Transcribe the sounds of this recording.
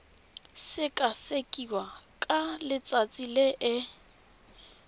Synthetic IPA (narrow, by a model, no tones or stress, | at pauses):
sɪkʼasekʼiwakʼalɪt͡sʼat͡sʼileʔɪ